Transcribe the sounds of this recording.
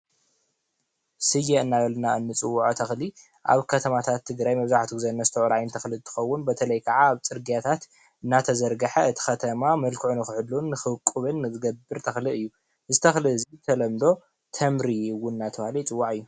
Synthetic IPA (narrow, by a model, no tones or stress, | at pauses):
sɨjeɨnːaβɐlnaɨnːɨt͡sʼɨwːʕot̪ʰɐxli | ʔa̰βkʰɐt̪ʰɐmat̪ʰat̪ʰːɨɡɾajmɐβzaħt̪ʰuɡzɐnːɐzɨt̪ʰɐʕuɾajɪnt̪ʰɐxlɨt̪ʰɨ̥xɐwːʊnbɐt̪ʰɐlɐjkʰɐʕaːβt͡sʼɨɾɡijat̪ʰat̪ | ɨnːat̪ʰɐzɐɾɡɐħɐɨt̪ʰi̥xɐt̪ʰɐmamɐlkʰɨʕunɨxɨħɨlːunːɨxɨkʼːɨβɨnːɨzɨɡɐbːɨɾt̪ʰɐxlɨʔɨjːu | ɨzɨt̪ʰɐxlɨɨzit̪ʰɐlɐmd̪o̞ | t̪ʰɐmɾiwːʊnnat̪ʰɐβahlit͡sʼɨwːaʕɨjːu